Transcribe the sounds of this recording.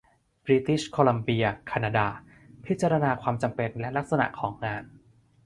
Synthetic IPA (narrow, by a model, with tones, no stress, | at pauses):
bɾi˦˥t̪i˦˥˩ɕkʰoː˧la˧mbi˧ɐkʰa˧naː˧daː˧ | pʰi˦˥t̪̚t͡ɕa˧ɾa˧naː˧kʰwaː˧mt͡ɕa˧mpe˧nlɛ˦˥ʔla˦˥k̚sa˧na̰˨˩ʔkʰɔː˩˦ŋːaː˧n